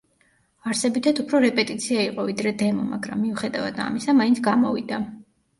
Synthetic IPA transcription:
aɾsɛbit̪ʰat̪upʰɾɔɾɛpʼɛt̪ʼit̪sʰiaiqʼɔvid̪ɾɛd̪ɛmɔmaɡɾa̰mːiuχɛd̪ava̰d̪a̰misamaint̪sʰɡamɔvid̪a

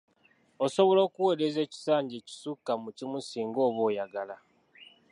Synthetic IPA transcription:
oso̞βo̞lo̞ːkuwe̞ɾeze̞ːci̥saːɲɟeːci̥sukːamucimusiːŋɡo̞ːβo̞ːjaɡala

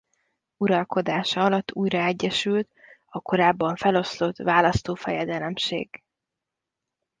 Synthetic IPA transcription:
uɾɒlko̞d̪aːʃɒɒlɒt̪ʰːuːjrɒɛɟːɛʃylt̪ɒko̞ɾaːbːɒɱfɛlo̞slot̪vaːlɒst̪oːfɛjɛd̪ɛlɛmʃḛːɡ̥

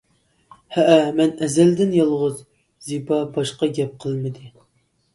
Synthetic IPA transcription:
hɛʔmɛnɛzɛld̪ɪnjɑlˠʁʊz | zibɑbɑʃqɑɡʲɛp̚qʰəlˠmɨd̪ɨ

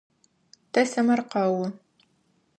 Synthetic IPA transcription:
tʰɐsɐmɐrqɐwʊ

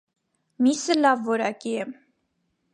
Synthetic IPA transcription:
misəlɑvːɔɾɑkiɛm

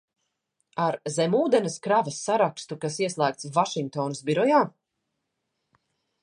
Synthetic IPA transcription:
aɾzɛmuːd̪ɛnɐskɾavɐsːaɾakst̪ukasiɛslˠæːk̚t̪svaʃiŋk̚t̪ɔːnusbiɾɔjaː

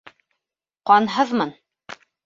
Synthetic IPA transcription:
qɑnɦɤðmɤn

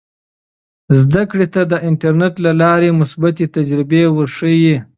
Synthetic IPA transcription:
zd̪akɽet̪ad̪əʔɪnʈaɾneʈlalɑɾemʊsbat̪et̪ad͡ʒɾɪbewəɾʂəji

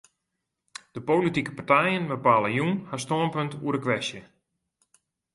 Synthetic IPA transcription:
d̥əpowlitikə̥partɛjənbəpaːləjunhastoənpəntṵəɾəkʋɛsjə

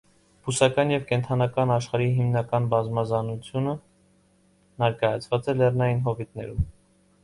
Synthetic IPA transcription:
b̥usɑkɑnjɛvkɛnt̪ʰɑnɑkɑnɑʃχɑɾiɦimnɑkɑnbɑzmɑzɑnut͡sʰjunə | nɛɾkɑjɑt͡sʰvɑt͡sɛlɛrnɑjinɦɔvit̪nɛ̰ɾum

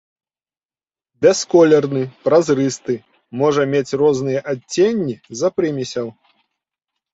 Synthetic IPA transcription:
bʲɛskɔlʲɛrnɨpɾazɾɨst̪ɨ | mɔʐɐmʲet͡sʲrɔznɨjɐʔaːenʲːizɐpɾɨmʲisʲɐw

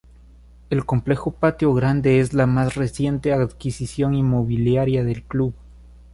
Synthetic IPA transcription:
e̞lko̞mple̞xopat̪jo̞ɣɾand̪e̞ezlamasre̞sje̞nt̪eaðkisisjo̞ŋinmo̞βiljaɾjaðe̞lkluβ

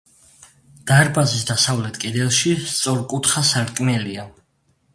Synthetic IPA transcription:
d̪̥aɾbazisd̪asavlɛt̪ʰkʼɛd̪ɛlˠʃist̪sʼɔɾkʼut̪ʰχasaɾt̪kʼmɛlia

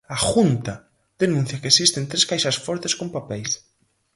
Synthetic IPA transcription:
axunt̪a | ðenũn̟θjakesist̪ent̪ɾeskajʃɐsfɔɾt̪eskompapɛjs

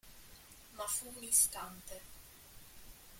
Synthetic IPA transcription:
mafunist̪ant̪ɛ

